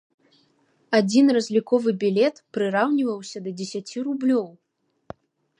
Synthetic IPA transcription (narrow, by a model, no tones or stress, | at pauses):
ad͡zʲinrɐzʲlʲikɔvɨbʲilʲɛt̪pɾɨɾawnʲivɐwsʲɐd̪ɐd͡zʲesʲat͡sʲirublʲɔw